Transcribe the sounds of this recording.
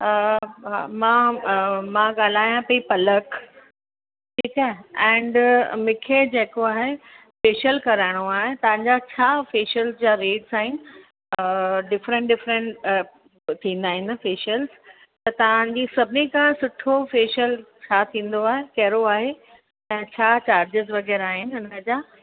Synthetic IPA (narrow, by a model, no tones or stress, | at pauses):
ɦa̰mã | mãɠaːl̤aːjãpɐipɐlək | ʈʰiːkaɦɛ̃ːɳɖmɪ̃kʰed͡ʑeːkoaːɦe | feːʃəlkɐɾaɪɽ̃oaːɦet̪ɐʋ̤ãɲd͡ʑat͡ɕʰaːfeːʃəlsd͡ʑaːɾeːɖsaːɦɪ̃nɪ | ɖɪfɾə̃ɳʈɖɪfɾə̃ɳʈ | t̪ʰĩːn̆d̪aːɦɪ̃nfeːʃəlz | t̪ɐt̪ɐʋ̤ãɲd͡ʑisɐbʱɪnikãsʊʈʰofeːʃəlt͡ɕʰaːt̪ʰĩːn̆d̪oaːɦekɐɦɾoaːɦe | ɛ̃ːt͡ɕʰaːt͡ɕaːɾd͡ʑɪzʋɐɡɛːɾaːɦɪnɪ̆ʊnəd͡ʑaː